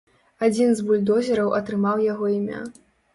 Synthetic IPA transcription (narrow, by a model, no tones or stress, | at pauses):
ad͡zʲinzbulʲd̪ɔzʲɛɾɐwʔɐt̪ɾɨmawjaɣɔimʲa̰